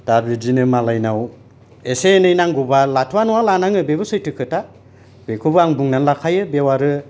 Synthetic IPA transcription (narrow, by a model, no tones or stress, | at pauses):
d̥abidinɯmalajnaw | esenɯjnaŋɡubalatʰuwanɔwalanaŋɯbebɯsɯjtɯkʰɯta | bekʰubɯaŋbuŋnanlakʰajɯbewaɾɯ